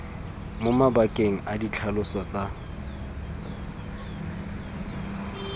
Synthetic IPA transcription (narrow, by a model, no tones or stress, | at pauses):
mʊmabakʼeŋ̩adit͡ɬʰalʊsɔt͡sʼa